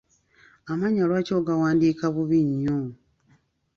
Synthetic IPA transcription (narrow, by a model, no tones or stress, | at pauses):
amaɲalwacoːɡawaːndiːkaβuβiɲːo